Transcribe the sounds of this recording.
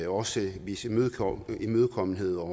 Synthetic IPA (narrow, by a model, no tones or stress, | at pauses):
ɒ̽səʋismøðˠʰimøðˠkʰɒ̽mn̩he̝ð̞̰ˠɒ